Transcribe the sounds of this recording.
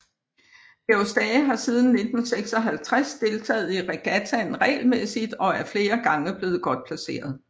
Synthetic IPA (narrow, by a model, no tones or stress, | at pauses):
b̥eʊsd̥ɛːɦɑ̈siːð̞ˠn̩ːe̝d̥n̩seɡ̥sɒ̽ɦælt͡sʰʁasd̥e̝lt͡sʰɛ̰ːð̩ˠiʁɛɡ̥æt͡sʰænʁɛ̰ːlmesid̥ɒ̽æɐfle̝ːɐɡ̥ɑ̈ŋəb̥le̝ːð̞̩ˠɡ̥ɒ̽d̥̚pʰlæse̝̰ːɐð̞̩ˠ